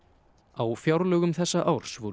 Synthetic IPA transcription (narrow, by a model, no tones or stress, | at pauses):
awfjawɾlœːɣʏmθɛsːaʔawɾ̥svu